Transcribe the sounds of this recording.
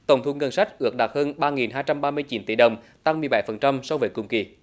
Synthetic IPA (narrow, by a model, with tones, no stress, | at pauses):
t̪ə˨˩wŋ͡mt̪ʰu˧˦ŋə˧nsa˦˥jk̚ʔɨ˦˥ək̚ɗa˨˩t̚həː˧nɓaː˧ŋi˨˩nɦaː˧jt͡ɕa˧mɓaː˧mɨ˧əjt͡ɕi˨˦nt̪i˧˩ɗə˨˩wŋ͡m | t̪a˧ŋmɨ˨˩əjɓa˧˦jfə˨˩nt͡ɕa˧msɔ˧wvəː˨˩˦kʊ̰˨˧˩ŋ͡mki˨˩